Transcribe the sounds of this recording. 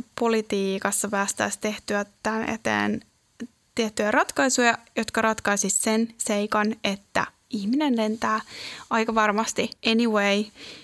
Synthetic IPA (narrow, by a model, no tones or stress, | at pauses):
polit̪iːkɑsːɑpæːst̪æ̰ːst̪eht̪yæt̪ːænḛt̪ḛːn | t̪iet̪ːyærɑt̪kɑisujɑjot̪kɑɾɑt̪kɑisissenseikɑnet̪ːæ̰ | ihminenlent̪æːɑjkɑʋɑrmɑst̪ieniwei